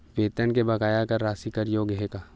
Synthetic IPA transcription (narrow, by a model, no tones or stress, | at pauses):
ʋeːt̪ənkebɐkaːjakɐɾːaːsikɐɾjoːɡɦekaː